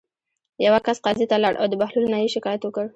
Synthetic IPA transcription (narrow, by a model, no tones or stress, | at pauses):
jawakasqɑzit̪alaɽʔa̰wd̪əbahlulnajiʃɪkɑjat̪wəkəɽ